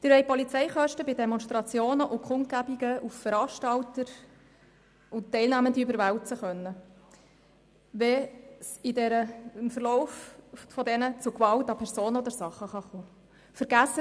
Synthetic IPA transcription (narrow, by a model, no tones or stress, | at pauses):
d̥ɪɾʋɛɪpɔlit͡sɛɪχœʃtəbɪdɛmɔnstɾɑt͡sjoːnəʔʊkχʊnt̚kæbiɡəʔuffəɾɑːʃtɑltəɾ | ʊtːɛɪlnæːməndiybəɾʋæwt͡səχœnːə | ʋɛsidɛɾəɪmfəɾlɔʊffɔd̪ɛnət͡sʊkʋɑltɑpʰɛɾsoːnəɔd̪əɾsɑχːəχɑχoː | fəɾɡæsə